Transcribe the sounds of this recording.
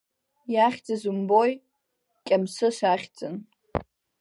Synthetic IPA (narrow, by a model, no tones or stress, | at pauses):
jaχʲd͡zʼɨzumboj | kʲʼamsɨʃʷaχʲt͡sʼɨn